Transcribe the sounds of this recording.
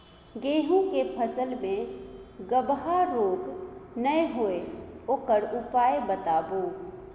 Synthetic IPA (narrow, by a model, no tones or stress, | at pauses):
ɡeːɦũkepʰəsəlmẽɡəbɦaɾoːɡnəjɦoeoːkəɾupaːebət̪aːbo